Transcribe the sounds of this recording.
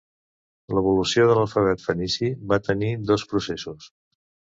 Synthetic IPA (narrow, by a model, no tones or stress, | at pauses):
ləβulusioðələlˠfəβ̞ɛt̪fənisiβat̪ənid̪ospɾusesus